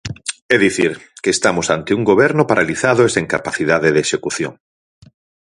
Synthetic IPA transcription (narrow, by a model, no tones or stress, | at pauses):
ɛðiθiɾkeːst̪amosant̪euŋɡoβ̞ɛɾnopaɾʔaliθaðoeseŋkapaθiðaðeðeʃekuθjo̰ŋ